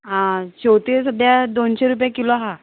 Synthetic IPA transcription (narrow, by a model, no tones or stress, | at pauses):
ɦãɕowt̪isəd̪ʱjad̪onɕeɾup̬jakiloɦa